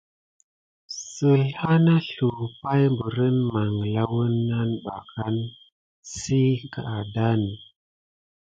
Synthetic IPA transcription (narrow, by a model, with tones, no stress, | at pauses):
sə˨lha˦na˦ɬu˨pa˦jmbə˨ɾə˦nma˨ŋla˦wə˦nːa˦nɓa˨ka˦n | si˦ka˨a˨da˦ni˨